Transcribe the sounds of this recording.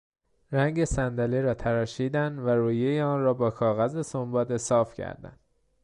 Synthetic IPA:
ɾæŋɟe̞sænd̪æleɾɒːt̪ʰæɾɒːʃiːd̪ænd̪væɾuːjejeɒːnrɒːbɒːkʰɒːɣæzesombɒːd̪e̞sɒːfcʰæ̰ɾd̪æ̰nd̪

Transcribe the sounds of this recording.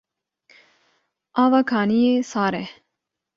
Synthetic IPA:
aːʋakʰaːnijeːsaːɾe

